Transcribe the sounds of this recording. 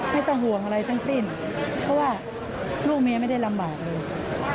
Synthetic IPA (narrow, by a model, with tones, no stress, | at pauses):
ma˥˩jt̪a˥˩ɦu˨˩əŋʔa˧ɾa˧jt̪ʰa˦˥ŋsi˥˩n | pʰɔ˦˥waː˥˩ | luː˥˩k̚mi˧əma˥˩jda˥˩jla˧mbaː˨˩k̪̚lɤː˧j